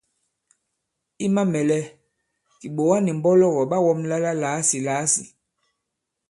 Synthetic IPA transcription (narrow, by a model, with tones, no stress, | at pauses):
i˦ma˦mɛ˨lɛ˦ | ki˨ɓo˨wa˦ni˨m˨bɔ˦lɔ˦˨ɣɔ˨ɓa˦wɔ˦mla˦la˦laː˨˦si˨laː˨˦sḭ˨